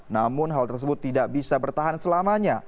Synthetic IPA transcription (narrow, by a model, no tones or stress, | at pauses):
namʊnɦalt̪ərs̬əbʊt̪ːidaʔbisabərt̪aɦansəlamaɲa